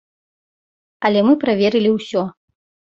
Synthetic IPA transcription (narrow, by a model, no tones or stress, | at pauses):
ɐlʲɛmɨpɾavʲeɾɨlʲiwsʲɔ